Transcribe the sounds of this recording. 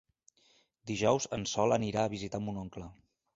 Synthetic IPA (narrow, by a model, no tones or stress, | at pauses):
d̪iʒɔwzənsɔlˠəniɾaəβizit̪amunɔŋklə